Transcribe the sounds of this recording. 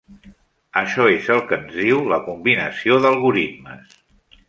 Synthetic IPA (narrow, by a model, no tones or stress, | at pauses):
əʃɔezəlˠkənzðiwləkumbinəsioðəlˠɣuɾit̪məs